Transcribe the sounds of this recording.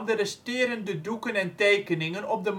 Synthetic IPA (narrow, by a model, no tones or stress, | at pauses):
dərɛstɪːɾəndədukənɛntejkənɪŋənɔp̚dəm